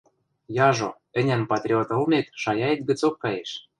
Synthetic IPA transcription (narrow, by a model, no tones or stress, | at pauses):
jɑʒo̰ | ɘ̆nʲænpɑt̪ɾʲiot̪ɤlmʲet̪ʃɑjɑet̪̚ʲɡɘ̆t͡sokːɑjeʃ